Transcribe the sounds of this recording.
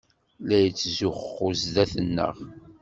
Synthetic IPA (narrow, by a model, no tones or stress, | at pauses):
læjət͡sːzʊχχʊzðæθənːə̰ʁ